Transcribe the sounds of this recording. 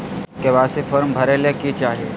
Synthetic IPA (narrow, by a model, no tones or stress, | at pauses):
keʋaːsifʰəɾmbʱɐɾelekit͡ʃaːɦie